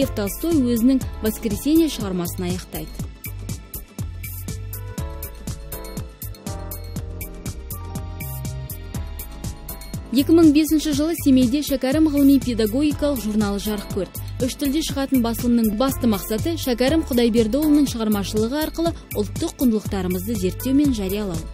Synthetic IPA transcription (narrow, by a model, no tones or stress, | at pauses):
eft̪ɑlst̪o̞jwɵzɪnɪŋvɑskɾese̞nijeʃəʁɑɾmɑsənɑjɑqt̪ɑjd̪ə | je̞kʲɪməɴbe̞sɪnʃɪʒəlˠəse̞me̞jd̪e̞ʃækʲaɾɪmʁəlˠəmijpʲe̞d̪aɡo̞ɡʲijkɑlˠəqʒurnɑlˠəʒɑɾəq̚kʲʰɵɾt̪ʏʃt̪ʰʏld̪e̞ʃəʁɑt̪ənbɑsəlˠəmnəɴbɑst̪əmɑqsɑt̪əʃækʲaɾɪmqʰʊd̪ɑjbe̞ɾd̪olˠnəɴʃəʁɑɾmɑʃəlˠəʁəɑɾqəlˠəʊ̰lˠt̪ːəqʰːʊnd̪əlˠəq̚t̪ɑɾəməzd̪əze̞ɾt̪ːe̞wmenʒæɾijɑlˠɑw